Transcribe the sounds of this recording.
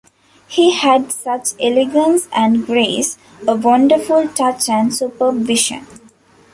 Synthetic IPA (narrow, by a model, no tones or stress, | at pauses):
hiːhæɖsʌt͡ʃeleɡə̃nsæ̃ɳɖɡɾeːs | əʋʌ̃ɳɖəɾfulʈʌt͡ʃæ̃nɖsupəʋɪʃə̰̃n